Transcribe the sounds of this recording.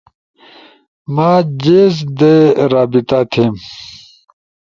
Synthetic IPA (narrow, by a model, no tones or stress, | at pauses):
maːd͡ʑeːzd̪eɾaːbit̪at̪ʰeːm